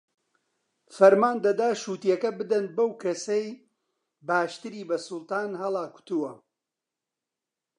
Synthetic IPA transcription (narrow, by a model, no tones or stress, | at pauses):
fɐɾmaːnd̪ɐd̪aːʃuːt̪jɐkɐbɨd̪ɐnbɐwkʰɐsej | baːʃt̪ɨɾiːbɐsʊlˠt̪aːnhɐlˠaːkʊ̥t̪uwɐ